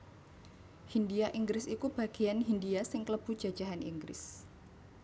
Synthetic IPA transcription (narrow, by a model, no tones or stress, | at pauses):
hindiaʔiŋɡɾɪsikub̥a̤ɡ̥ijanɦindiasɪŋkləb̥ṳ̥d͡ʒ̥ḁd͡ʒ̥aɦanḭŋɡɾɪ̰s